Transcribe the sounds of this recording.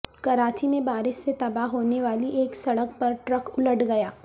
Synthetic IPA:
kɐɾaːt͡ʃimẽbaːɾɪʃset̪ɐbaɦɦoːneʋaːliʔeːksɐɽək̚pɐɾʈɾəkʊləɖɡɐjaː

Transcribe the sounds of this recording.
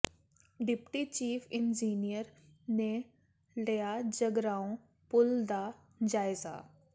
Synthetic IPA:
ɖɪpʈit͡ʃiːfʰɪnd͡ʒiːnijəɾ | ne | lijad͡ʒəɡɾaːõ | pʊld̪a | d͡ʒaːɪza̰ː

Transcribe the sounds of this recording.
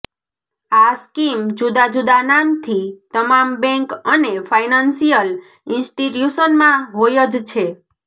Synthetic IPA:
askimd͡ʒud̪ad͡ʒud̪anamt̪ʰit̪əmambɛ̃ŋkənefʰajnansijəl | insʈiʈjusənmãɦojəd͡ʒt͡ʃʰe

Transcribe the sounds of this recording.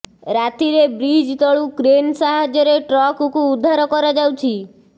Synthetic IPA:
ɾat̪iɾebɾid͡ʒt̪ɔɭũkɾensaɦad͡ʒɔɾeʈɾɔkukũud̪ʱːaɾokɔɾɔd͡ʒawt͡ʃʰi

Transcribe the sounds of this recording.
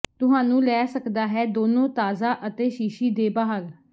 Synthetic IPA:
t̪ʊɦãːnũːlɛːsəkd̪aːɦɛːd̪oːnõːt̪aːzaːʔət̪eːʃiːʃiːd̪eːbaːɦəl

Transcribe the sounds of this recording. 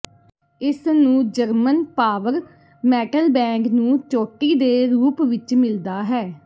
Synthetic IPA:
ɪsnũːd͡ʒəɾmənpaːʋəɾ | mɛːʈəlbɛ̃ːŋɡnũːt͡ʃoːʈiːd̪eːɾuːpʋɪt͡ʃmɪld̪aːɦɛː

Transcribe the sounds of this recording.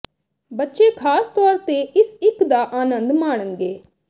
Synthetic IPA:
bətːʃekʰaːst̪ɔːɾt̪eɪsɪkd̪aːʔaːnə̃nd̪maːɳənɡeː

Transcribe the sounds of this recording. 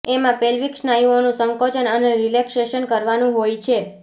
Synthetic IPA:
emãpɛlʋikʃnajũonũsəŋkot͡ʃənəneɾilekseʃənkəɾʋanũɦojt͡ʃʰe

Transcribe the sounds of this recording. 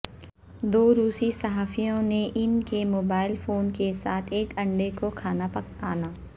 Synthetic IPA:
d̪oːɾuːsisɐɦaːfijõneʔɪnkemoːbaːɪlfoːnkesaːt̪ʰeːkɐ̃ɳɖekokʰaːnapɐk̚a̰ːnaː

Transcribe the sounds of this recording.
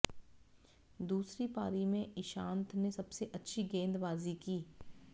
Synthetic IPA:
d̪uːsɾipaːɾimẽɪʃãːnt̪ʰnesɐbseʔɐtːʃʰiɡẽːnd̪baːzikiː

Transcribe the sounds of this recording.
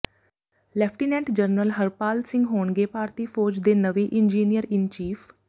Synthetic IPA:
lɛːpʰʈiːnɛ̃ːɳʈd͡ʒəɾnəlɦəɾpaːlsɪ̃ŋɡɦoːɳɡeːpaːɾt̪iːpʰoːɾd͡ʒd̪eːnəʋeːʔɪnd͡ʒiːnijəɾɪnt͡ʃiːfʰ

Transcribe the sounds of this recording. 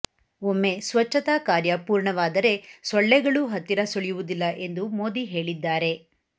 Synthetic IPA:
omːe̞sʋɐt͡ʃːɐt̪aːkaːɾjɐpuːɾɳɐʋaːd̪ɐɾe̞sɔɭːɛɡɐɭuɦɐt̪ːiɾɐsoɭijuʋud̪ilːɐʔe̞nd̪umo̞ːd̪iɦe̞ːɭid̪ːaːɾe̞

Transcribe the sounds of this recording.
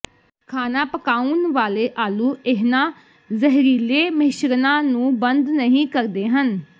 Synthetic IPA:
kʰaːnãːpəkaːunʋaːleːʔaːlũːɪɦnãː | zəɦɾiːleːməɦɪʃɾnãːnũːbənd̪nəɦĩːkəɾd̪eːɦən

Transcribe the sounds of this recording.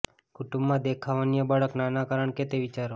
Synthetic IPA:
kuʈũmbmãd̪ekʰaʋanijəbaɭəknanakaɾəɳket̪eʋit͡ʃaɾo

